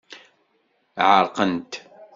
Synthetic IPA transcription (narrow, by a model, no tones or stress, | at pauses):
ʕəɾˤqənt̪